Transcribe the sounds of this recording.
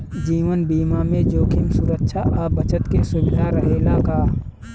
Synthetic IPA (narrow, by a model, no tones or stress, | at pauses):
d͡ʒiːʋənbiːmamẽd͡ʒoːkʰimsuɾəkʃʰaʔaːbət͡ʃət̪kesʊbɪd̪ʱaɾəɦelakaː